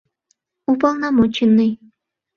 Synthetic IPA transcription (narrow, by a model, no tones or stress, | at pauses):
upɑlˠnɑmot͡ɕinːɨj